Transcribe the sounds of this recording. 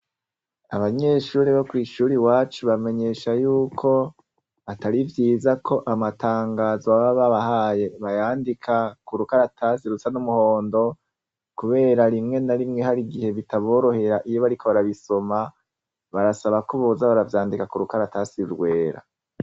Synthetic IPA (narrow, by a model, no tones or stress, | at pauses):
aβaɲe̞ʃuːɾiβokwiːʃuːɾiwaːt͡ʃuβame̞ɲe̞ʃajuːkʰo̞ | ataɾivjiːzakʰo̞ʔamatʰaːŋɡaːzwaβaβaβahaje̞βajaːndikʰakuɾukaɾatʰasiɾusanumuho̞ːndo̞ | kuβe̞ːɾaɾimŋe̞naɾimŋehaɾiɡihe̞βitaβo̞ːɾo̞he̞ɾaʔijo̞βaɾikʰoβaɾaβiso̞ma | βaɾasaβakoβozaβaɾavjaːndikakuɾukaɾatasiɾɡwe̞ːɾa̰